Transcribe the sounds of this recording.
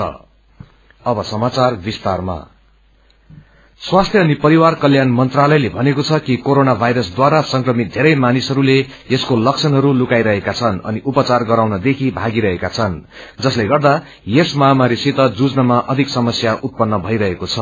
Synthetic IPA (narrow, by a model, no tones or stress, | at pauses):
ʌ̰ | ʌbʌsʌmat͡sarbist̪arma̰ | swast̪ʰjʌːnipʌɾiwarkʌljanmʌnt̪ralʌjlebʱʌnekot͡sʰʌkikoɾonabʱajɾʌsd̪waɾasʌŋkrʌmit̪̚d̪ʱeɾʌjmanisɦʌɾule | eskolʌk̚sʰʌnɦʌɾulukajɾʌɦekat͡sʰʌnʌ̰niʔupʌt͡sarɡʌɾawnʌd̪ekʰibʱaɡiɾʌɦekat͡sʰʌn | d͡zʌsleɡʌrd̪a | jesmʌɦamaɾisit̪ʌd͡zud͡znʌmaʔʌd̪ʱiksʌmʌsjaʔut̪̚pʌnːʌbʱʌjɾʌɦekot͡sʰʌ